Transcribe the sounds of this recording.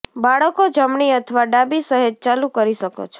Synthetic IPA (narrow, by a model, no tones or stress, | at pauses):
baɭəkod͡ʒəmɳiət̪ʰəʋaɖabisəɦet̪̚t͡ʃalũkəɾiʃəko̰t͡ʃʰe